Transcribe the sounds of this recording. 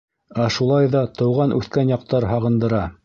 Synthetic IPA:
æʃulˠɑjðɑt̪ɤ̆wʁɑnʔʉθkænjɑq̚t̪ɑɾɦɑʁɤ̆nd̪ɤ̆ɾɑ

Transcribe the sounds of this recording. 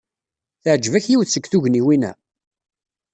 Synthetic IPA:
θəʕd͡ʒːvæçjiwθsːəɡθuʝniwinæ̰

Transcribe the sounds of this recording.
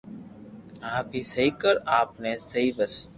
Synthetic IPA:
ɦãbʱisəikəɾaːpnẽsəibəs

